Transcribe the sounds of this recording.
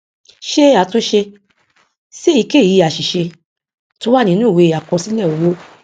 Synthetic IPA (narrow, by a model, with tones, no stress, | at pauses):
ʃe˦a˨to˧˦ʃe˧ | se˦i˨˧˦ke˦˨i˨˧˦a˨ʃi˨ʃe˧ | to˦wa˦˨nĩ˧˦nũ˦˨we˧˨a˨kɔ̃˧si˨˦lɛ˦˨o˨wo˦